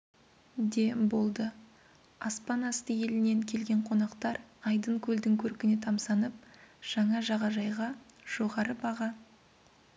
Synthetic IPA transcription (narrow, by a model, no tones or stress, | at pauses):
d̪e̞bo̞lˠd̪ə | ɑspɑnɑst̪əje̞lɪne̞ŋkʲʰe̞lɡʲe̞ɴqʰo̞nɑqt̪ɑɾɑjd̪əɴkʲʰɵld̪ɪŋkʲʰɵɾkʲɪne̞t̪ʰɑmsɑnəp̚ʒ̥ɑɴɑʒɑʁɑʒɑjʁɑʒ̥o̞ʁɑɾəbɑʁɑ